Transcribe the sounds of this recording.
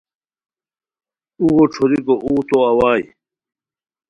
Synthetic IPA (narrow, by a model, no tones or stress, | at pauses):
uɡoʈ͡ʂʰoɾikoʔuːt̪oɐwaːj